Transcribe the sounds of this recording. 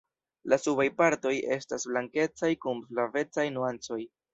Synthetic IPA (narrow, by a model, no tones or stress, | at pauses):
lasubajpaɾto̞je̞stasblaŋke̞t͡sajkumflave̞t͡sajnuant͡so̞j